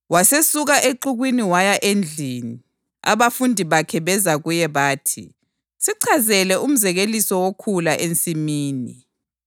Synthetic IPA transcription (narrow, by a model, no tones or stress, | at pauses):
wasesuɣaʔeǃuɣwiniwajaʔend͡ɮʱini | a̰βafundʱiβakʰɛβɛzaɣujɛβaːtʰḭ | siǀʰazɛlɛum̩zɛɣelisɔwokʰulaʔent͡sʼimiːni